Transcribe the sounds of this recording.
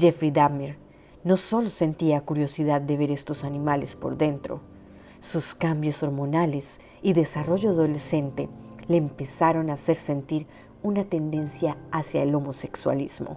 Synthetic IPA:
d͡ʒefɾid̪amiɾ | no̞so̞lo̞se̞nt̪iakuɾjo̞siðaðːe̞βe̞ɾe̞st̪o̞sanĩmalespoɾðe̞nt̪ɾo̞̰ | suskambjo̞so̞ɾmo̞nales | iðe̞saro̞ʝoaðolese̞nt̪eleːmpe̞saɾo̞nase̞ɾse̞nt̪iɾ | unat̪e̞nd̪e̞nsjaːsjaelo̞mo̞se̞kswa̰liz̥mo̰

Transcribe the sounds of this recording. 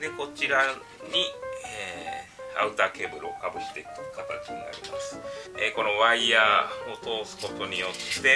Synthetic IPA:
d̪e̞ko̞t͡ɕiɾa | ɲ̟ie | a̰ɯ̟t̪aːke̞ːbɯ̟ɾɯo̰kabɯ̟t̪ːekɯ̥kat̪at͡ɕiɲ̟ina̰ɾʲḭmasɨ̥eko̞no̞βaiaːo̞t̪o̞ːsɨ̥ko̞t̪o̞ɲ̟ijo̞t̪ːe̞

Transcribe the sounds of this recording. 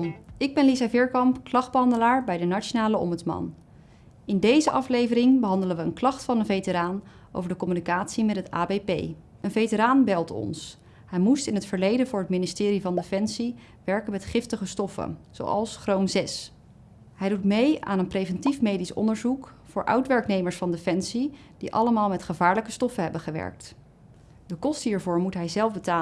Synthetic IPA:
ɪɡ̚bɛnlizavɪɹkɑmpklɑχd̚bəɦɑndəlaːɹbɛjdənat͡ʃonaːləɔ̰mbətsmɑ̰n | ɪndejzəʔɑflejvərɪŋbəɦɑndələnʋəənklɑχtfɑnənvejtəɾaːn | ʔo̰wvəɹdəkɔmynikaːtsimɛtɦəta̰ːbejpḛj | ənvejtəɾaːnbɛlˠtɔ̰ns | hɛjmustɪnətfəɹlejdənvʊːɹətmɪnistɪːɾivɑndefɛnsi | ʋɛɹkənmɛtχɪftəχəstɔfə̰z̥o̰wɑ̰lˠsχrowmzɛs | ɦɛjdutmeja̰ːnənprevɛntifmejdisɔ̰ndəɹzukfʊːɹʔœ̰ɥtʋɛɹknejməɹsfɑndefɛnsi | d̥iʔɑ̰ləmaːlˠmɛtχəvaːɹləkəstɔfəɦɛbəχəʋɛ̰ɹk̚t | dəkɔstəɦiːɹvʊːɹmutɦɛjzɛlˠfbətaː

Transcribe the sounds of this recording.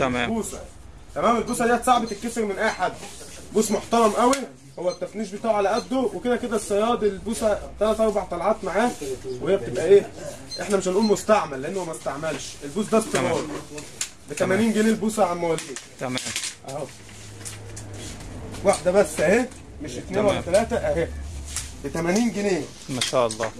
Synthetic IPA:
buːsæ̰ | t̪æmæːmelbuːsæd̪iːæt̪sˤɑʕbet̪ekːeseɾmenʔæħad̪̚ | buːsmoħt̪ɑɾˤɑmʔæwi | howːæb̚t̪æfniːʃ̬biet̪ɑːʕʕalæʔæd̪ːoweked̪æked̪æsːɑjɑːd̪elbuːsæt̪ːælæt̪ʔɑɾˤbaʕt̪ˤɑlʕɑːt̪maʕaːwehejːæb̚et̪ebʔæʔeː | ʔeħnæmeʃhænʔuːlmost̪aʕmælːeʔenːhowæmæst̪aʕmælʃʔelbuːs̬d̪æst̪eɾˤɑːl | bet̪æmæniːnɡeneːlbuːsæʕammæwæliːæʔæho | waħd̪æbæsːʔæhe | meʃʔet̪neːnwææt̪ːælæːt̪æʔæhe | bet̪æmæniːnɡeneː | mæʃælˤːɑ̰ː

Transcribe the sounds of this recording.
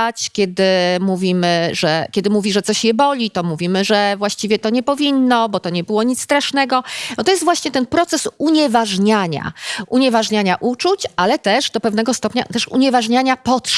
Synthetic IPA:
at͡ɕkʲjɛd̪ɘmuvʲimɘʐɛkʲɛd̪ɘmuvʲiʐɛt̪ɔɕjɛbɔlʲit̪ɔmuvʲimɘʐɛvwaɕt͡ɕivʲjɛt̪ɔɲɛpɔvʲinːɔbɔt̪ɔɲɛbɘwɔɲit̪st̪ɾaʂnɛɡɔnɔt̪ɔjɛst̪vwaɕɲɛt̪ɛnpɾɔt̪sɛsuɲɛvaʐɲaɲa̰ʔuɲɛvaʐɲaɲaʔut͡ʂut͡ɕalɛt̪ɛʐd̪ɔpɛvnɛɡɔst̪ɔpɲa̰t̪ɛʂṵɲɛvaʐɲaɲapɔt̪ʂ

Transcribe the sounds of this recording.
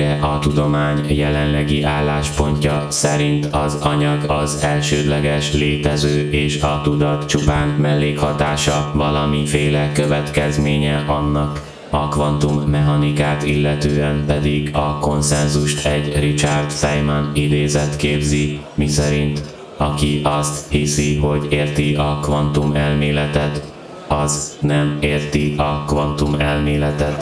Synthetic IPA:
ɛʔɒt̪ud̪o̞maːɲjɛlɛnlɛɡiʔaːlːaːʃpo̞ɲcɒsɛɾint̪ɒzɒɲɒɡɒzɛlʃøːd̪lɛɡɛʃleːt̪ɛzøːʔeːʃɒt̪ud̪ɒt̪t͡ʃupaːnmɛlːeːkhɒt̪aːʃɒvɒlɒmifeːlɛkøvɛt̪kɛzmeːɲɛʔɒnːɒk | ɒkvɒnt̪umːɛɦɒnikaːt̪ilːɛt̪øːɛmpɛd̪iɡɒko̞nsɛnzuʃt̪ʰɛɟrit͡ʃart̪sɛjmɒnid̪eːzɛt̪keːbzi | misɛɾint̪ | ɒkiʔɒst̪hisiɦo̞ɟeːrt̪iɒkvɒnt̪umɛlmeːlɛt̪ɛt̪ | ɒznɛmeːrt̪iɒkvɒnt̪umɛlmeːlɛt̪ɛt̪

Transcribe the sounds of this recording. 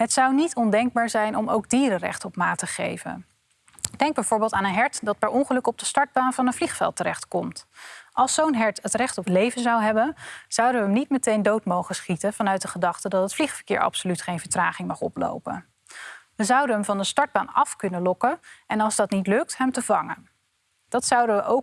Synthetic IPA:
ɦətsɑwnitɔndɛŋɡ̚baːɹzɛjnɔmo̰wɡ̚diːɾərɛ̰χtɔpmaːtəχḛjvə̰n | d̥ɛŋɡ̚bɛjvoːɹbɪːlˠtaːnənɦɛɹtdɑt̚pɛɹɔŋχəlɵkɔb̚dəstɑɹd̚baːnvɑnənvliχfɛ̰lˠtəɾɛχtkɔmtʔɑlˠsownɦɛɹtətrɛχtɔplejvənzɑwɦɛbənz̥ʌwdəʋəmnit̚mətejndowtmowχəsχitənv̥ɑnœɥt̚dəχədɑχtədɑtɦətfliχfə̥ɹkɪ̰ːɹʔɑ̰psolytχejnvəɹtraːχɪŋmɑχɔ̰plo̰wpə̰n | ʋəzʌwdəɦəmvɑndəstɑɹd̚baːnɑfkɵnəlɔkəʔɛnɑlˠzdɑtnitlɵk̚tɦɛmtəvɑŋən | d̥ɑtsɑwdəʋəʔow

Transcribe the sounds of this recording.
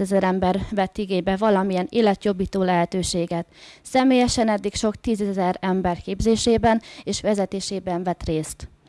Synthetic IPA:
ɛzɛɾɛmbɛrvɛt̪ːiɡeːɲbɛvɒlɒmijɛneːlɛt̪jo̞biːt̪oːlɛɦɛt̪øːʃeːɡɛt̪sɛmeːjɛʃɛnɛd̪ːikʃo̞kt̪iːzɛzɛɾɛmbɛrkeːbzeːʃeːbɛneːʃʋɛzɛt̪eːʃeːbɛɱvɛt̪reːst̪

